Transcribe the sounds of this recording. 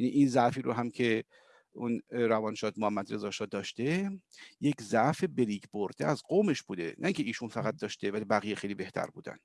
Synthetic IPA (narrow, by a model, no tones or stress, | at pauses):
jæniʔinzæʔfiːɾoɦæmcʰe̞ | unɾævɒːnʃɒːd̪mohæmːæd̪ɾe̞zɒːʃɒːd̪ɒːʃt̪e̞jeczæʔfe̞be̞liːcbo̞ɾd̪̥eæzɢoːme̞ʃb̥uːd̪ḛnʔæiŋcʰe̞iːʃunfæɣæt̪̚d̪ɒːʃt̪evælibæɣijexejliːbe̞ht̪ʰæ̰ɾbṵːd̪æ̰n̥